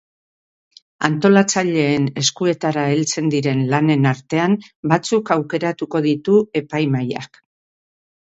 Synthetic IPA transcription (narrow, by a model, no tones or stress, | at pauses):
a̰nt̪o̞lat͡saʎe̞ːne̞skue̞t̪aɾaelt͡se̞nd̪iɾe̞nlane̞naɾt̪e̞ambat͡sukawke̞ɾat̪uko̞ðit̪ue̞pajmaja̰k